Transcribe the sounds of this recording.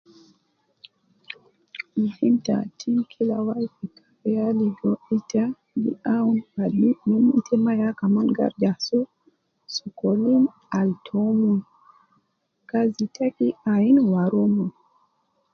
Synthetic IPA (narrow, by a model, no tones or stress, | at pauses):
m̩himta̰tʰimkʰilawaifikḁfɛaliɡɔita | ɡḭaunalinumitʰɛmajakamanɡa̰ɾd͡ʒasu | sukɔlin | altʰɔmun | kazitakiainwaɾɔmɔ